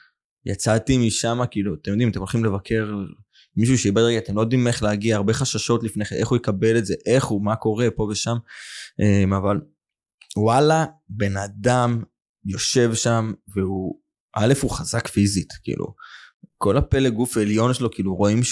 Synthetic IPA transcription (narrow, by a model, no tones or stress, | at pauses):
ja̰t͡sat̪imiʃamakiːluat̪emjo̞d̪imat̪e̞molχimle̞vakʰe̞ʁ | miʃ̬uʃeibedeɡat̪emlojod̪imeχleaɡiaːʁbe̞χaʃaʃo̞tlifneχeʔe̞χujekabe̞letze̞ʔe̞χumako̞ʁe̞po̞ve̞ʃamʔemaval | walabe̞nad̪am | jo̞ʃe̞vʃamveu | ʔale̞fuχazakfizitkḭlʔṵko̞lape̞leɡufeljo̞nʃelo̞kiːluʁo̞im